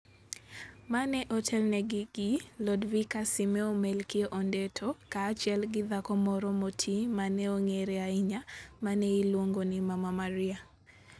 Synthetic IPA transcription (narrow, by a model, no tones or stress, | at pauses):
manɛʔɔtʰɛlnɛɡɪɡ̥ɪlɔdvikasɪmɛomɛlkioʔɔndɛtʰɔkaːt͡ʃɛlɡɪðakɔmɔɾɔmotʰimanɛoŋeɾɛaɪɲamanɛilwoŋɡonɪmamamaɾɪa